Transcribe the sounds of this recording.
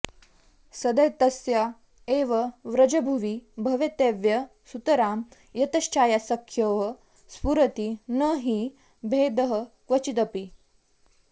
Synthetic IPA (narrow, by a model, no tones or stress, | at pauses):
sɐd̪ɐjt̪ɐsja | eːʋɐʋɾɐd͡ʒɐbʱuʋibʱɐʋjɐt̪eːʋjɐ | sut̪ɐɾaːm | jɐt̪ɐɕt͡ʃaːjasɐkʰjɐʋɐ | spuɾɐt̪inəɦi | bʱeːd̪əɦəkʋɐt͡ʃit̪ɐpi